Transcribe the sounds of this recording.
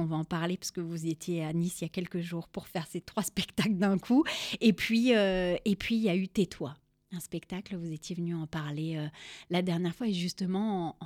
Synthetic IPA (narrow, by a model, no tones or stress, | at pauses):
ɔ̃vaɑ̃paʁlepḁskəvuziet̪jeanisijakʲɛlkəʒuːʁpuʁfɛʁset̪χwaspɛkt̪akld̪ɛ̃kʰuepɥiøepʰɥiljayt̪et̪ʰwa | ɛ̃spɛkt̪akləvuzet̪jevənyɑ̃paʁleølad̪ɛʁnjɛʁfwaeʒyst̪əmɑ̃